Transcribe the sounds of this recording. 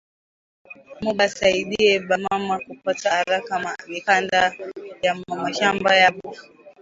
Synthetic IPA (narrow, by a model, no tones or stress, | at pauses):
muɓasaiɗiɛɓamamakupatahaɾakamamikandajamaʃambajaɓufu